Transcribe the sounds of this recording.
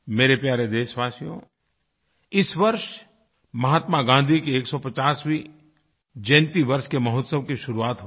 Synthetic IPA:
meːɾepjaːɾed̪eːʃʋaːsijõ̰ | ɪsʋɐɾʃ | mɐɦaːt̪maɡãːnd̪ʱikeeːksɔpɐt͡ʃaːsʋi | d͡ʒẽːnt̪iʋɐɾʃkemɐɦʊt̪səʋkiʃʊɾuaːt̪ɦo

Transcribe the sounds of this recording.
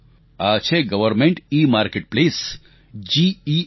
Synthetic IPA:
at͡ʃʰeɡɐʋəɾmẽɳʈiːmaːɾkeʈ̚pleːs | d͡ʒii

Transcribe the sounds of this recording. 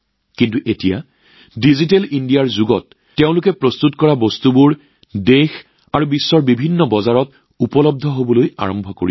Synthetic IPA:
kintuʔetija̰ | dizitelindijaɹzuɡɔtː | eʊ̃lʊkɛpɹɔstutkɔɹabɔstubʊɹ | dex | aɹubisːɔɹbibʱinːɔbɔzaɹɔt | upɔlɔb̚d̪ʱɔɦobɔloja̰ɹɔmbʱɔko̰ɹi

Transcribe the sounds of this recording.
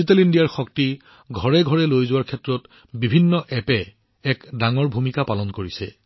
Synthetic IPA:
itɛlindijaɹxɔk̚ti | ɡʱɔɹɛɡʱɔɹɛlojzʊwaɹkʰɛtɹɔt | bibʱinːɔʔɛpɛ | ɛkdaŋɔɹbʱumikapalɔnkoɹisɛ̰

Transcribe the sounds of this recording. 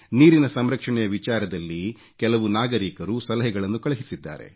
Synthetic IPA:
niːɾinɐsɐmɾɐkʂɐɳɛjɐʋit͡ʃaːɾɐd̪ɐlːi | kɛlɐʋunaːɡɐɾiːkɐɾusɐlɐɦɛɡɐɭɐnːukɐɭɐɦisid̪ːa̰ːɾe̞̰

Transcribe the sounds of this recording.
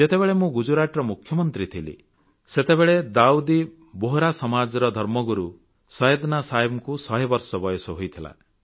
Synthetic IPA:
d͡ʒet̪ebeɭemũɡud͡ʒuɾaʈɾɔmukʰjɔmɔnt̪ɾit̪ʰilḭ | set̪ebeɭed̪aud̪i | boɦɾasɔmad͡ʒɾɔd̪ʱɔɾmɔɡuɾu | sɔjed̪nasaibɔkusɔɦibɔɾsɔbɔjɔsɔɦojt̪ʰila̰

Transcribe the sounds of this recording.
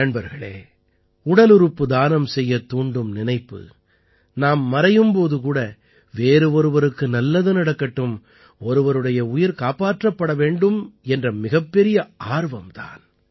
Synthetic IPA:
ɐɳbɐɾɣɐɭḛː | ʊɽɐlɯɾɯpːɯd̪aːnɐmsɛjːɐt̪ːuːɳɖɯmnɪnɐɪpːɯ̰ | naːmːɐɾɐjɯmpoːðɯkuːɽɐ | ʋeːɾɯɔɾɯʋɐɾɯkːɯnɐlːɐðɯnɐɽɐkːɐʈːɯm | ɔɾɯʋɐɾɯɽɐjɐʊjɪɾkaːpaːʈrɐpːɐɽɐʋeːɳɖɯmɛndrɐmɪɣɐpːɛɾɪjɐʔaːɾʋɐmt̪a̰ːn

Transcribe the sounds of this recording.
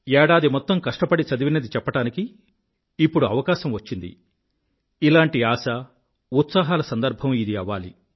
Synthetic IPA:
ɛːɽaːd̪imɔt̪ːɐmkɐʂʈɐpɐɽit͡ʃɐd̪iʋinɐd̪it͡ʃɛpːɐʈaːnikiː | pːuɽuɐʋɐkaːʃɐmʋɐt͡ʃːind̪ḭ | ilaːɳʈiaːsɐ | ut̪saːɦaːlɐsɐnd̪ɐɾbʱɐmid̪iɐʋa̰ːlḭ

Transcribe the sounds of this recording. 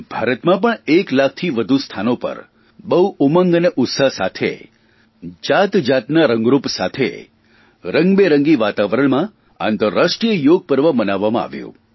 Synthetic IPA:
b̥ʱaɾət̪mãpəɳeklak̚ʰt̪ʰiʋəd̪ʱust̪ʰanopə̰ɾ | bəuuməŋɡəneʔʊt̪səɦsat̪ʰḛ | d͡ʒat̪d͡ʒat̪naɾəŋɡɾupsat̪ʰḛ | ɾəŋɡbeɾəŋɡiʋat̪aʋəɾəɳmã | a̰nt̪əɾaʂʈɾijəjoɡ̚pəɾʋəbənaʋːamãa̰ʋjṵ̃

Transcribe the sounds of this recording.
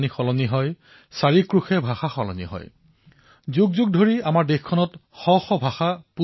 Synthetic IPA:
nixɔlɔniɦɔj | saɹikɹuxɛbʱaxaxɔlɔ̰nḭɦɔ̰j | zuɡzuɡ̚dʱoɹiamaɹdexkʰːɔnɔtxɔxɔbʱaxapu

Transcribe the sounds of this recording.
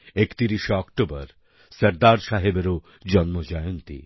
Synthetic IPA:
ekt̪iɾiʃeɔkʈobɔɾ | sɐɾd̪aɾʃaɦebeɾo | d͡ʑɔnmod͡ʑajont̪ḭ

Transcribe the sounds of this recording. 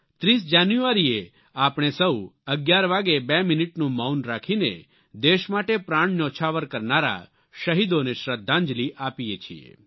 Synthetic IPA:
t̪ɾiːs̬d͡ʒanjuʋaɾie | apɽ̃esəuəɡjaɾʋaɡebɛmɪnɪʈnũmaunɾakʰinḛ | d̪eʃmaʈepɾãːɳ̃not͡ʃʰaʋəɾkəɾnaɾa̰ | ʃəɦid̪oneʃɾəd̪ʱːãɲd͡ʒliʔaːpijet͡ʃʰḭḛ

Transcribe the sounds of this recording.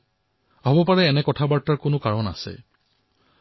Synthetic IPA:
aɦɔbɔpaɹɛːnɛkɔtʰabaɹtaɹkʊnʊkaɹɔna̰sɛ̰

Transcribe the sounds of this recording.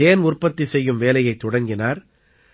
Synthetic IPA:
eːnʊrpːɐt̪ːisɛjːɯmʋeːlɐjɐɪt̪ːɔɽɐŋɡɪnaːɾ

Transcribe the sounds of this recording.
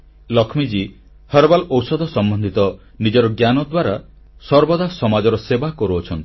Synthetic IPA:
lɔkʰmid͡ʒi | hɔɾbalɔwsɔd̪ʱɔsɔmbɔnd̪ʱit̪ɔ | nid͡ʒɔɾɔɡjanɔd̪waɾa | sɔɾbɔd̪ʱasɔmad͡ʒɔɾɔsebakɔɾuɔt͡ʃʰɔnt̪i̥

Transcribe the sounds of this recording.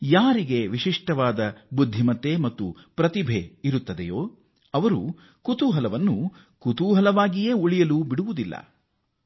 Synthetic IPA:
jaːɾiɡe̞ʋiʂiʂʈɐʋaːd̪ɐbud̪ʱːimɐt̪ːemɐt̪ːṵ | pɾɐt̪ibʱe̞iɾut̪ːɐd̪ḛjoː | ɐʋɐɾṵ | kut̪uːɦɐlɐʋɐnːu | kut̪uːɦɐlɐʋaːɡije̞ːuɭijɐlubiɽuʋud̪ilːɐ̰

